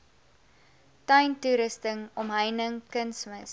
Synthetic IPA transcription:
tɐjntuɾəstəŋɔmɦəjnəŋkənsməs

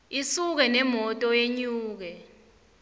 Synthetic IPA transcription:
isuk̬ɛnɛmɔtʼɔjeɲuːk̬ɛ

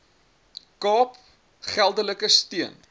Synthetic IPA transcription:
kɑːp | χælˠdələkəstiən

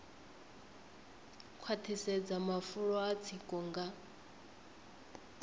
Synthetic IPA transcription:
kʰwat̪ʰisɛd͡zamafuɺɔat͡sʰikʼɔŋɡa

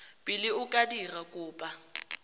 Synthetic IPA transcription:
pʼɪlɪʊkʼadirakʼʊːpʼa

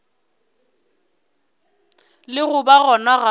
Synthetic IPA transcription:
lɪɣʊbaɣɔnaɣa

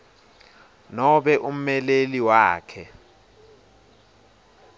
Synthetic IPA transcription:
nɔɓɛʔum̩mɛleliwaːkʰɛ

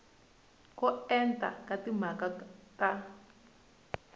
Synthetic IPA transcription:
kɔɛntʼa̰katim̤akata

